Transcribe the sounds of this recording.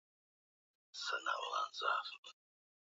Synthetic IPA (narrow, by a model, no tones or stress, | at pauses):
sənawlanza̰f